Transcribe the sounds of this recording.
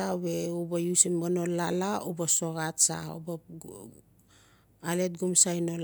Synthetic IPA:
aweubajusimonolalaubasoɡatsa̰ṵba | alet̚ɡumsajnol

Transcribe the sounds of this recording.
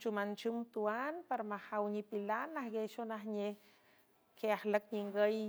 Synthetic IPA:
t͡ʃumant͡ʃumt̪uanpaɾmahawɲipilanahɡeʃonahɲeh | keahlək̚ɲiŋɡəj

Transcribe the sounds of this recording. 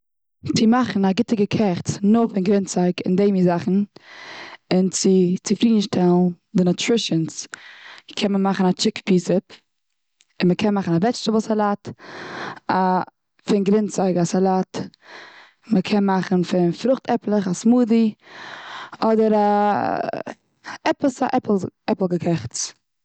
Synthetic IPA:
t͡sɪmaχn̩aɡɪtɪɡəkʰɛχt͡snʊfɪnɡɾɪnt͡saɪkɪ̰ndeɪmizaχn̩ | ɪnt͡sɪt͡sɪfɾiːdn̩ʃtɛlˠn̩ | dɪnətɾɪʃəns | kʰɛnməmaχn̩at͡ʃɪkpʰiːsɪp | ɪnməkʰɛnmaχn̩avɛt͡ʃtəbəsalˠaːt | a | fɪnɡɾɪnt͡saɪɡasalˠaːt | məkʰɛnmaχn̩fɪnfɾʊχtɛplˠəχasmuːdi | ɔdəɾa | ɛpəsa̰ʔɛpl̩ˠɛpl̩ˠɡəkʰɛχt͡s

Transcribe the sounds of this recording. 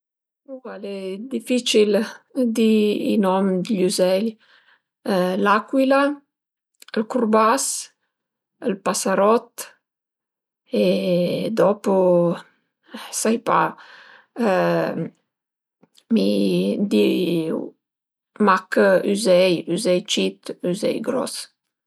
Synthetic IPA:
uvalɛd̪ifit͡ʃild̪iḭnɔmd̪ʎuzɛʎ | lakwila | əlkurbas | əlpasaɾɔt̪ | ed̪ɔpo | sajpa̰ | mid̪i | makyzɛjyzɛjt͡ʃit̪yzɛ̰jɡɾɔ̰s

